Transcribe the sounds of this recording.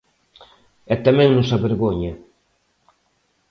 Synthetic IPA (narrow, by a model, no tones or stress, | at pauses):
ɛt̪amɛ̃ŋnʊsaβeɾɣoɲa